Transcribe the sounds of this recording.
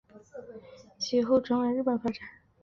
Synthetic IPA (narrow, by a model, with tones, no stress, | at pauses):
t͡ɕʰi˧˥xo˥˩ʊʈ͡ʂɤ˧˥ŋwe˧˥ɻ̩˥˩pə˨˩nfa˥ʈ͡ʂa˨˩˦n